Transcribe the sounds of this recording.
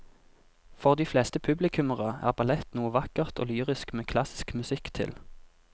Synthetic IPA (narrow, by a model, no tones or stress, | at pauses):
fɔʁd̪iːflɛːst̪əpʰʉblɪkʰʉməʁəæ̰ːʁbɑlɛt̪nuːəʋɑkəʁt̪ʰo̰ːlyːʁɪskmeːkʰlɑsɪ̥skmʉsɪkt̪ʰɪ̰l